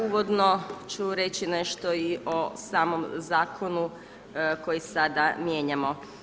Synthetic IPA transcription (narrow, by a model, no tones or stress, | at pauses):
uʋod̪no̞t͡ɕuɾe̞t͡ɕine̞ʃt̪oiʔosaːmo̞mzaːkʰonu | ko̞jisad̪amje̞ːɲamo̞